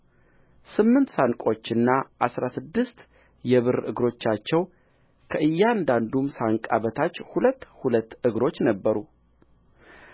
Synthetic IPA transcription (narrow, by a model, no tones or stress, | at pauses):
sɨmːɨnt̪saŋkʼo̞t͡ʃːɨnːaʔasɾasɨd̪ːɨst̪ | jɛβɨɾʔɨ̰ɡɾo̞t͡ʃːat͡ʃːɛw | kʰəʔɨjːaand̪and̪umsaŋkʼaβət̪ʰat͡ʃːhulət̪ːhulət̪ːɨɡɾo̞t͡ʃːnəbːəɾu